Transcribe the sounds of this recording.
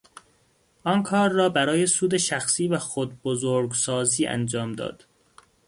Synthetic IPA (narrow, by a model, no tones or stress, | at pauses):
ʔɒnkʰɒːɾːɒːbæɾɒːjesuːd̪eʃæxsiːvæxod̪̚bozoɾɡsɒːziːʔæ̰nd͡ʒɒːmd̪ɒ̰ːd̪̥